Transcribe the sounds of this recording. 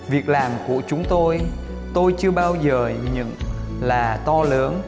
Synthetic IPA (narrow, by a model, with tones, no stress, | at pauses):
vi˨˩ək̚laː˨˩mku˧˩ət͡ɕʊ˨˦ŋ͡mt̪o˧j | t̪o˧jt͡ɕɨ˧əɓaː˧wzəː˨˩ɲɨ̰˧˥ŋlaː˨˩t̪ɔ˧ləː˨˦n